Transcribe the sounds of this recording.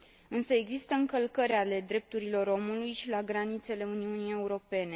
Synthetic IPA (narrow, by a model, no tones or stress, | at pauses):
ɨnsəe̞ɡzist̪əɨŋkəlkəɾʲale̞d̪ɾe̞p̚t̪uɾilo̞ɾo̞mulujʃilaɡɾanit̪se̞le̞uniunije̞uɾo̞pe̞ne̞